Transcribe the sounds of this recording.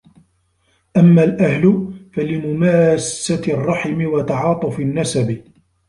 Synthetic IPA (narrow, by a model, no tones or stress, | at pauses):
ʔamːaːlʔahlʊfalɪmʊmaːssarˤːɑħɪmɪwat̪ɑʕɑːt̪ˤʊfɪnːasabɪ